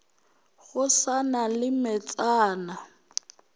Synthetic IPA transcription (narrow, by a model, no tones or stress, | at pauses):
ɣʊsanalɪmɛt͡sʼaːna